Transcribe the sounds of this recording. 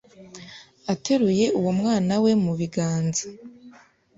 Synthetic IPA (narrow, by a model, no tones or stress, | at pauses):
atʰe̞ɾuje̞ʔuwomŋaːnawe̞muβiɡaːnza